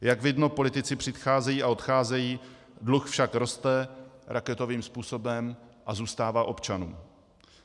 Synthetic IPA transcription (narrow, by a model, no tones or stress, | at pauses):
jaɡvɪdno̞po̞lɪt̪ɪt͡sɪpr̝̥ɪt̪xaːzɛjiːʔao̞t̪xaːzɛjiː | dluxfʃakɾo̞st̪ɛɾʔakɛt̪o̞viːmspuːso̞bɛmʔazuːst̪aːvaːʔo̞pt͡ʃanṵːm